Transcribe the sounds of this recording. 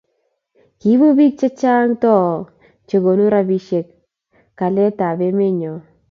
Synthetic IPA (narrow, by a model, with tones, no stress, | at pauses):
ki˨˦βu˦bi˦k̚t͡ʃe˦t͡ʃa˦ŋtɔ˦˨ | t͡ʃe˨ɡo˨nu˦ɾa˦bi˦ʃe˨kː | a˨lɛ˦ta˨be˦me˦ɲɔ˨